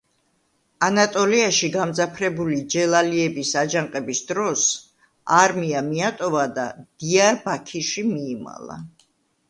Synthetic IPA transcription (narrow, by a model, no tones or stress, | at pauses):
anat̪ʼɔliaʃiɡamd̪zapʰɾɛbulid͡ʒɛlˠaliɛbisad͡ʒaŋqʼɛbisd̪ɾɔs | aɾmiamiat̪ʼɔvad̪a̰d̪̥iaɾbakʰiʃimiːma̰lˠa̰